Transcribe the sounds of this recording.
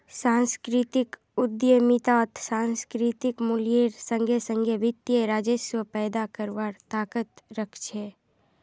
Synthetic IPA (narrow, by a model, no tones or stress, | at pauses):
sãːnskɾɪt̪ɪk | ʊd̪jəmɪt̪aːt̪sãːnskɾɪt̪ɪkmʊlijeɾsə̃ŋɡʱesə̃ŋɡʱeʋɪt̪ːjeɾaːd͡ʒəʃwəpɛːd̪akəɾʋaːɾt̪aːkət̪ɾəkʰt͡ʃʰeː